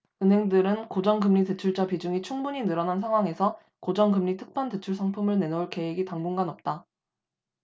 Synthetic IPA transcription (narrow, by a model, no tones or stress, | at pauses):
ɯnɦe̞ŋdɯɾɯnkod͡ʑʌŋɡɯmɲite̞t͡ɕʰuɭt͡ɕ͈apid͡ʑuŋit͡ɕʰuŋbuɲinɯɾʌnans̬ʰaŋɦwaŋe̞sʰʌ | kod͡ʑʌŋɡɯmɲitʰɯk̚pʰante̞t͡ɕʰuɭsʰaŋpʰumɯɭne̞nouɭke̞weɡitaŋbuŋɡanʌp̚t͈a